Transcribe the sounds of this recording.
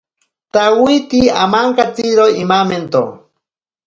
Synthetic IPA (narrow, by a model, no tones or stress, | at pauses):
t̪awit̪ia̰maŋkat͡siɾoimament̪o̰